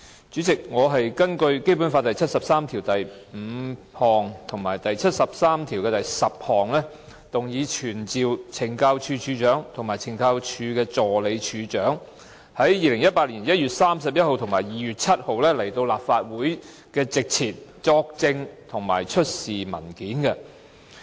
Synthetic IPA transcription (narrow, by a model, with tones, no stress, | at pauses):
t͡ʃyː˨˥t͡sɪ˨k̚ŋɔː˨˧ɦɐ˨jkɐ˥nkɵ˧ɥke˥jp̬u˨˥nfaː˧t̪ɐ˨jt͡sʰɐ˥t̚sɐ˨p̚saː˥mt̪ʰiː˨˩wt̪ɐ˨jm̩˨˧˥ | hɔː˨ŋt̪ʰʊ˨˩ŋmaː˨˩jt̪ɐ˨jt͡sʰɐ˥t̚sɐ˨p̚saː˥mt̪ʰiː˨˩wkɛː˧t̪ɐ˨jsɐ˨p̚hɔː˨˩ŋlɛː˥ | t̪ʊ˨ŋjiː˨˧t͡ʃʰyː˨˩nt͡siː˨wt͡sʰɪ˨˩ŋkaː˧wt͡ʃʰyː˨˧t͡ʃʰyː˨˧t͡ʃœː˨˥ŋt̪ʰʊ˨˩ŋmaː˨˩jt͡sʰɪ˨˩ŋkaː˧wt͡ʃʰyː˧kɛː˧t͡sɔː˨le˨˧jt͡ʃʰyː˨˧t͡ʃœː˨˥ŋ | hɐ˨˥jjiː˨˧lɪ˨˩ŋjɐ˥t̚paː˧t̚liː˨˩njɐ˥t̚jyː˨t̚saː˥ms̬ɐ˨p̚jɐ˥t̚ho˨˧wt̪ʰŋmaː˨˩jjiː˨ɥyː˨t̚t͡sʰɐ˥t̚ho˨wlɛː˥le˨˩jt̪o˧wlaː˨pfaː˧t̚wuː˨˥j | kɛː˧t͡sɪ˨k̚t͡sʰiː˨˩t̚t͡sɔː˧k̚t͡sɪ˧ŋt̪ʰʊ˨˩ŋma̰ː˨˩jt͡ʃʰɵ˥t̚siː˨mɐ̰˨˩nkiː˨˥nkɛ˧